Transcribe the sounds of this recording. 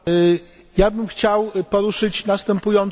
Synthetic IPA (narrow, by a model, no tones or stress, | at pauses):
jabɘmxt͡ɕawpɔɾuʂɘt͡ɕnast̪ɛmpujɔnt